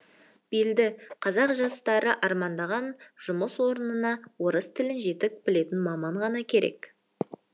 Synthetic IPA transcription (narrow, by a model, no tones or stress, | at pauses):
b̥eld̪ɪqʰɑzɑqʒɑst̪ɑɾəʔɑɾmɑnd̪ɑʁɑnʒ̥ʊməswo̞ɾənənɑwo̞ɾəst̪ʰɪlɪnʒe̞t̪ɪk̚bɪle̞t̪ɪnmɑmɑɴʁɑnɑkʲʰe̞ɾe̞̰k